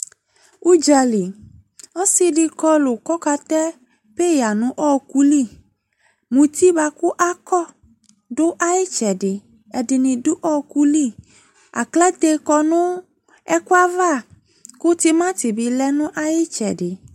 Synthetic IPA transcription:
u˦d͡ʒa˧li˨ | ɔ˦si˧di˧kɔ˧lʊ˨kɔ˦ka˧t̪ɛ˦ | pe˦ja˨nũ˦ʔɔ˦ku˦li˦˨ | mũ˨t̪i˦ba˧ku˦ʔa˦kɔ˦˨ | dʊ˦ʔa˦ji˦t͡ʃɛ˨dɪ˨ | ɛ˨di˨nĩ˨dʊ˦ʔɔ˦ku˦li˦˨ | a̰˨klɛ˦t̪e˧kɔ˧nũ˦ | ɛ˦ku˦a˦va˦˨ | kʊ˦t̪i˧mã˦t̪i˨bi˧lɛ˦nũ˦ʔa˦ji˦t͡ʃɛ̰˨dɪ˨

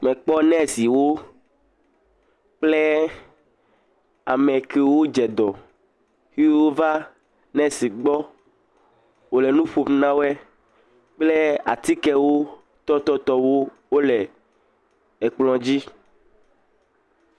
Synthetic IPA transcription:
mɛ̃˨k͡pɔ˦nɛ̃˦si˨wo˦ | k͡ple˦ | a̰˨mɛ˨ke˨wo˦d͡ʒɛ˨d̪ɔ˨ | hi˦o˦va˦ | nɛ̃˦si˨ɡ͡bɔ˦ | wo˨lɛ˨nũ˦ɸo˨mnã˦wo˦ɛ˦ | k͡ple˦a˨t̪i˦kɛ˦wo˦ | t̪ɔ˦t̪ɔ˦t̪ɔ˦wo˦ | wo˦lɛ˨ | ɛ˨k͡plɔ̃˨d͡ʑi˦

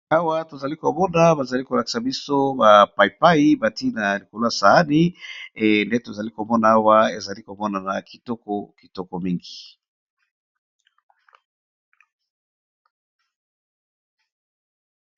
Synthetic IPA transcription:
a˦wa˦to˨za˨li˦ko˨mɔ˦na˦ba˨za˨li˦ko˨la˨ki̥˦sa˨bi˦so˦ba˨pa˨i˨pa˦i˦ba˨ti˦na˨li˨ko˨la˦˨sa˨a˦ni˦ende˦to˨za˨li˦ko˨mɔ˦na˨a˦wa˦e˨za˨li˦ko˨mɔ˦na˨na˨ki˨tɔ˦kɔ˦ki˨tɔ˦kɔ˨mi˦ŋɡi˨

